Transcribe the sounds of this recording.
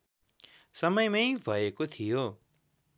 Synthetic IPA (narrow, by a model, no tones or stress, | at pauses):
sʌmʌjmʌjbʱʌekot̪ʰijo